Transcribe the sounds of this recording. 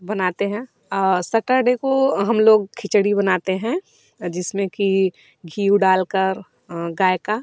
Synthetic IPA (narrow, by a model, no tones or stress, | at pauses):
bɐnaːt̪eɦɛ̃ː | sɐʈəɾɖekoɦɐmloːɡkʰɪt͡ʃɽibɐnaːt̪eɦɛ̃ | d͡ʒɪsmẽki | ɡʱiːuɖaːlkəɾ | ɡaːjka